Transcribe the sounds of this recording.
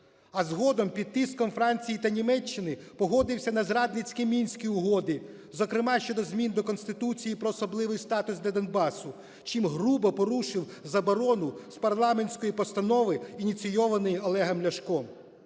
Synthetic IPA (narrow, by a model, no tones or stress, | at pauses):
ɐzɦɔd̪ɔmpʲid̪̚t̪ɪskɔmfɾɑnʲt͡sʲijit̪ɐnʲimɛt͡ʃːɪnɪ | pɔɦɔd̪ɪwsʲɐnɐzɾɑd̪nɪt͡sʲkɪmʲinʲsʲkʲiʊɦɔd̪ɪ | zɔkɾɪmɑʃt͡ʃɔd̪ɔzʲmʲind̪ɔkɔnst̪ɪt̪ut͡sʲijipɾɔːsɔblˠɪʋɪjst̪ɑt̪ʊsd̪ʲlʲɐd̪ɐnbɑsʊ | t͡ʃimɦɾubɔpɔɾuʃɪw | zɐbɔɾɔnʊspɐrlˠɑmenʲsʲkɔjipɔst̪ɐnɔʋɪinʲit͡sʲijɔʋɐnɪjɔlˠɛɦɐmlʲɐʃkɔm